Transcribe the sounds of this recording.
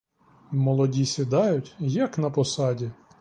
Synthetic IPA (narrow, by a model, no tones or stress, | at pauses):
mɔlˠɔdʲisʲid̪ɑjʊtʲjɐknɐpɔsɑdʲi